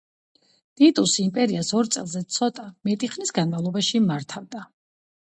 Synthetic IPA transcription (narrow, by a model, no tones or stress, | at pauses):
d̪̥it̪ʼusimpʼɛɾiasɔɾt̪sʼɛ̰lˠzɛt̪sʰɔt̪ʼamɛt̪ʼiχnisɡanmavlˠɔbaʃimaɾt̪ʰavd̪a